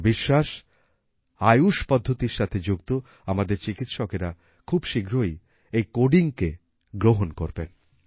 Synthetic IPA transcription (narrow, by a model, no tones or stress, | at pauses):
biʃːaʃ | ajuʃpɔd̪ʱːot̪iɾʃat̪ʰed͡ʑuɡt̪o | amad̪eɾt͡ɕikit̪ʃɔkeɾa | kʰubʃiɡʱɾoj | ejkoɖiŋke | ɡɾoɦonkoɾben